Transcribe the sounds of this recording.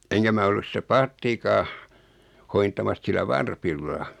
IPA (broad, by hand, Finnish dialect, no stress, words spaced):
eŋkæ mæ olːus sitæ pɑːtːikɑː hointɑmɑs silːæ ʋɑrpilːɑ